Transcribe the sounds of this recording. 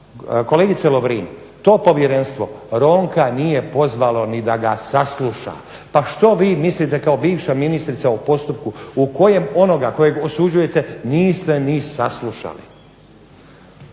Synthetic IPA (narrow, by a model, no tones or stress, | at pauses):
ko̞leɡit̪seloʋɾiːn | t̪o̞ːpo̞ʋjeɾenst̪ʋo̞ɾo̞ːŋkaniːje̞po̞zʋalo̞nid̪aɡasasluʃa̰ | paʃt̪o̞ʋiːmislit̪e̞kao̞biːʋʃaminist̪ɾit̪saupo̞st̪up̚kuuko̞je̞mo̞no̞ɡako̞jeɡo̞sud͡ʑuje̞t̪e̞niːst̪e̞nisaslˠuʃa̰lḭ